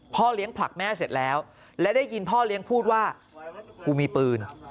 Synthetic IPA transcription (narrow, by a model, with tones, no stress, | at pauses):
pʰɔː˥˩li˦˥əŋpʰla̰˨˩k̚mɛː˥˩se˨˩t̪̚lɛː˦˥w | lɛ˦˥wdaː˥˩jki˧npʰɔː˥˩li˦˥əŋpʰuː˥˩t̪̚waː˥˩ | kuː˧miː˧pɯː˧n